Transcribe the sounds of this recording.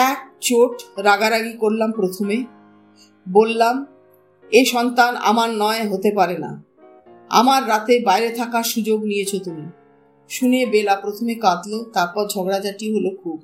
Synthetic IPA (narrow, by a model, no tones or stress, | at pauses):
ɛk̚t͡ɕoʈɾaɡaɾaɡikoɾlampɾot̪ʰome | bolːam | eʃɔnt̪ana̰maɾnɔeɦot̪epaɾena̰ | a̰maɾːat̪ebajɾet̪ʰakaɾʃud͡ʑoɡniet͡ɕʰot̪umi | ʃunebelapɾot̪ʰomekat̪lot̪aɾpɔɾd͡ʑʱɔɡɽad͡ʑaʈiɦolokʰub̚